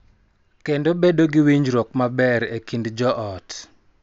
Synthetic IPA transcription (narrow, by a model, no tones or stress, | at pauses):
kendobedoɡiwiɲd͡ʒɾɔkmabɛɾekindd͡ʒɔʔɔt